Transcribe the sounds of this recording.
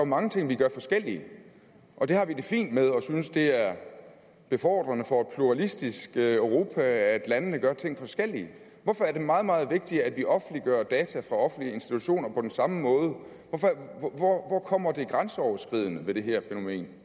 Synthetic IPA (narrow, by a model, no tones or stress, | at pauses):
ɑmɑ̈ŋət͡sʰe̝ŋ̰ʋiɡ̥ɶɐfɒ̽sɡ̥el̰iə | ʔɒ̽d̥e̝hɑ̈ʋid̥e̝fḭːnd̥með̞ˠɒ̽synəsd̥e̝æɐ | b̥e̝fɒ̰ːd̥ʁɐnəfɒ̽ed̥̚pʰluʁɑlisd̥isɡ̥øʊʁo̝ːpʰææd̥lænəːəɡ̥ɶɐt͡sʰe̝ŋ̰fɒ̽sɡ̥el̰iə | ʋɒfɒ̽æɐd̥e̝mɑ̈ːð̞̩ˠmɑ̈ːð̩ˠʋe̝ɡ̥̚d̥iæd̥ʋiʔɒ̽fn̩liɡ̥ɶɐd̥ɛːt͡sʰæfʁɑ̈ɒ̽fn̩liəe̝nsd̥it͡sʰuɕo̝̰ːnɐpʰɒ̽d̥ensɑ̈məmɔ̽ːð̞ˠə | ʋɒfɒʋɒʋɒkʰɒ̽m̰ɐd̥e̝ɡ̥ʁansəɒʊɐsɡ̥ʁið̰ˠnəʋe̝d̥e̝ɦæɐfeno̝me̝̰ːn